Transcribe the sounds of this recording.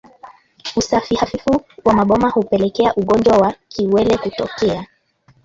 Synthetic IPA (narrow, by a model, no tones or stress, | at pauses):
usafihafifuwamaɓɔmahupɛlɛkɛaʔuɠɔnd͡ʒwawakʰiwɛlɛkutɔkɛa